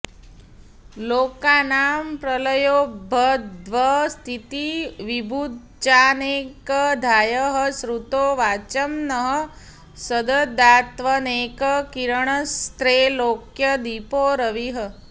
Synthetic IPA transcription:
loːkaːnaːmpɾələjoːbʱəd̪ʋəst̪ʰit̪iʋibʱud̪ | t͡ʃaːneːkəd̪ʱaːjəɦə̆sɾut̪oːʋaːt͡ʃəmnəɦə | səd̪əd̪aːt̪ʋəneːkəkiɾəɳəst̪ɾeːloːkjəd̪ipoːɾəʋiɦə

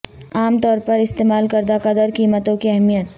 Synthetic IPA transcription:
aːmt̪ɔːɾpɐɾɪst̪eːmaːlkɐɾd̪akɐd̪əɾkiːmət̪õkiɛɦmijət̪

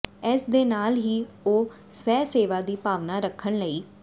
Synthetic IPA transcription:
ɛːsd̪eːnaːlɦiː | oː | sʋɛːseːʋaːd̪iːpaːʋnaːɾəkʰːəɳləiː

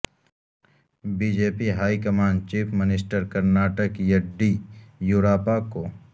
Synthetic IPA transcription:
biːd͡ʒeːpiɦaːikɐmaːɳɖt͡ʃiːpʰmɪnɪsʈəɾkɐɾnaːʈəkjɐɖijuːɾaːpako

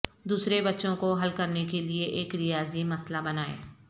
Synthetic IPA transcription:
d̪uːsɾebɐtːʃõkoɦɐlkɐɾnekelieʔeːkɾɪjaːzimɐslabɐnaːḛː

